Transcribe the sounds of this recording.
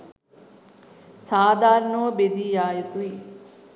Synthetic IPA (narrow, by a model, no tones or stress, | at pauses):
saːd̪ʱaːɾnoːbed̪iːjaːjut̪ui